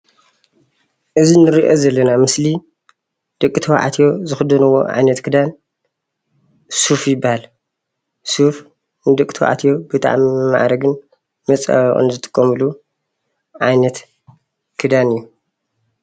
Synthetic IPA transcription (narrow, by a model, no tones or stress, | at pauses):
ʔɨzinɨɾiʔo̰zɐlːɐnamɨsli | d̪̥ɐkʼːɨt̪ʰɐwʕa̰t̪ʰjo̞zɨxɨd̪ɐnɨwːo̞̰ʕa̰jnɐt̪kʰɨd̪an | sufjɪbːahal | suf | nɨd̪ɐkʼɨ̥t̪ʰow̰ʔa̰t̪ʰjo̞bɨt̪ʼa̰ʕmma̰ʔɾɐɡɨn | mɐt͡sʼa̰ʔɨ̰nzɨt̪ʼɨ̥kʼːɐmɨlu | ʕajnɐt̪ | kʰɨd̪anɨjːu